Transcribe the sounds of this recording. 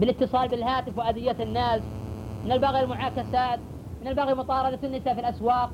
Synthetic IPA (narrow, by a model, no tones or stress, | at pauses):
bɪlɪt̪ːɨsˤɑːlbɪlɦaːt̪ɪfwɪʔad̪ɪjːaɪnːaːs | mɪnalbaɣijalmʊʕaːkasaːt̪ | mɪnalbaɣimʊt̪ˤɑːɾˤɑd̪at̪ɪnːɪsaːfilʔaswɑːq̚